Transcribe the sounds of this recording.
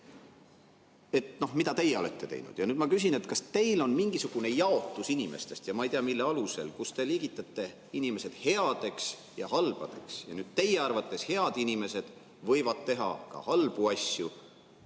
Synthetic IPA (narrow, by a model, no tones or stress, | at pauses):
e̞t̪no̞hmid̪ɑt̪e̞jːeo̞le̞t̪ˑːe̞t̪e̞̰jnṵd̪̥jɑnyːd̪̥mɑkys̬inet̪kɑst̪e̞jlo̞nmiŋɡ̥isuɡ̥une̞jɑo̞t̪ːˑusinime̞st̪e̞st̪jɑmɑejt̪eɑmilːeɑluse̞̰lkust̪e̞liːɡit̪ːˑɑt̪ːe̞ | inime̞se̞d̪̥he̞ɑd̪̥e̞ks | jɑhɑlb̥ɑd̪̥e̞ksjɑnyːd̪̥t̪e̞jeɑrvɑt̪ːˑe̞she̞ɑd̪̥inime̞se̞d̪̥ | vɤ̞jvɑd̪̥t̪ːe̞ɦɑ̰kɑ̰hɑlb̥uɑsʲju